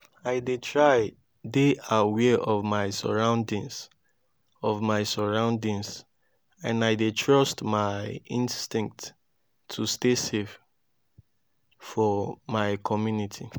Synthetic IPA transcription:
aɪdetʰɹaɪ | deawɛʔɔvmaɪsə̰ɹãʊ̃ndĩŋs | ɔvmaɪsəɹãʊ̃ndĩŋs | ãnaɪdetʰɹɔstmaɪɪĩnstĩŋk̚t | tʰːustesef | fɔmaɪkʰɔmjunitʰi

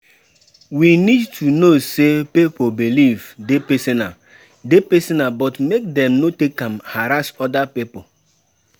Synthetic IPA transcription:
winidtʰunosepipobilivdepesena̰ | depesenabɔtmek̚dɛ̃mnotekːãmhaɾasɔdapipo

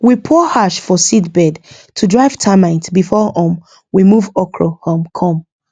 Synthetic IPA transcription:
wipʰɔhaʃfɔsitbɛd | tʰudɹaɪv̥tʰamãɪ̃ntbifɔʔɔ̃m | wimuvɔkʰɹɔhõmkʰɔ̃m

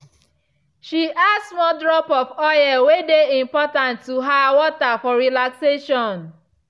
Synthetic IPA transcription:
ʃiʔasmɔdɹɔpɔfɔjawedeĩmpɔtãntːuɦawɔtafɔɾilakseʃɔ̃n

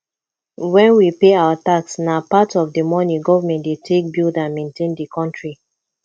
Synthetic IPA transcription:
wɛ̃nwipeaataksnapatɔvdəmɔnĩɡɔvamɛ̃ntdetʰek̚bildãnmẽntẽndikʰɔ̃ntɹi

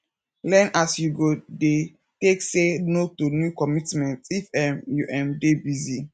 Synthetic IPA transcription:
lɛ̃nasjuɡode | teksenotunjukɔmitmɛ̃ntifɛmjuʔɛ̃mdebizi

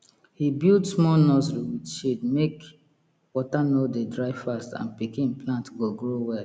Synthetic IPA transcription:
hibildsmɔnɔzliwidʃidmek | wɔtanodedɹaɪvfastã̰npikĩnplãntɡoɡɹowɛl

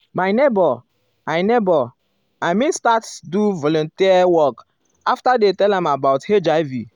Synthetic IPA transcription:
maɪnebɔ | ajnebɔ | ajmĩnstatduvɔlɔ̃ntiawɔk | aftadetɛlãmabaʊthed͡ʒaɪvi

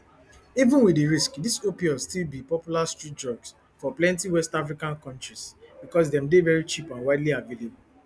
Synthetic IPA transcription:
ivũnwidiɹiskdisopiɔstilbipɔpjulastɹit̚d͡ʒɔɡs | fɔplɛ̃ntiwɛstafɹikãnkɔ̃ntɹisbikɔs̬dɛ̃mdevɛɹit͡ʃipãnwaɪdliavelebul

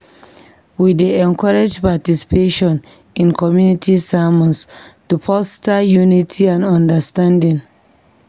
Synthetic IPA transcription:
wideɛ̃nkɔɹed͡ʒpatisi̥peʃɔ̃n | ĩnkʰɔmjunitʰisamɔ̃nstupʰɔstajunitʰiãnɔ̃ndəstãndĩŋ

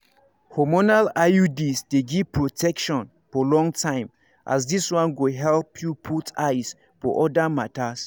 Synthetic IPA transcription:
hɔmɔnalaudisdeɡiv̥pʰɹotʰɛkʃɔ̃n | fɔlɔ̃ŋtʰãɪ̃m | ʔa̰s̬diswãnɡoɦɛlpʰjupʰutʰajs | fɔ̰ʔɔdamatas

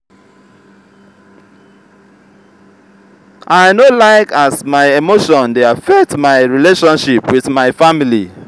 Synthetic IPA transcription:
ʔaɪnolaɪkasmaɪemoʃɔ̃ndeafɛk̚tmaɪɹileʃɔ̃nʃipwiðmaɪfamili

